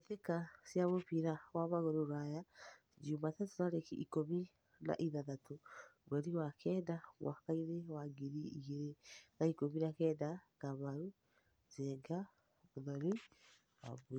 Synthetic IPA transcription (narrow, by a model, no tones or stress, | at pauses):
eθekasjaβopiɾawamaɣoɾoɾaja | d͡ʒumatatonaɾekḭʔikomi | na̰ʔiðaðatobwɛɾiwakʰɛdamwʔa̰kainewaɡiɾiiɣeɾenaikominakɛdakamaɾu | zeŋɡa | oðaɾi | wa̰β